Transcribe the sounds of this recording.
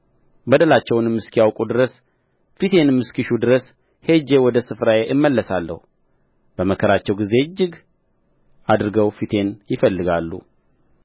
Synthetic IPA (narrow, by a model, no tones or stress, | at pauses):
bəd̪əlat͡ʃːɛwnɨmːɨskijawkʼud̪ɨɾəs | fit̪ʰe̞nɨmːɨskiʃud̪ɨɾəs | he̞d͡ʒe̞wɔd̪əsɨfɾajeʔɨmːəlːəsalːə̰h | b̥əməkʰəɾat͡ʃːɛwɡize̞ɨd͡ʒːɪɡ | ad̪ɾɨɡəwfit̪ʰe̞njɪfəlːɨɡalːṵ